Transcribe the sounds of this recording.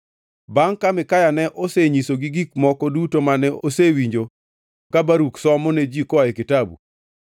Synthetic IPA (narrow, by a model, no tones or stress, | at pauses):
baŋkamɪkajanɛʔoseɲisoɡiɡik̚mɔkɔdutomanɛʔosewiɲd͡ʒo | kabaɾuksɔmɔned͡ʒikɔaɛkɪtabṵ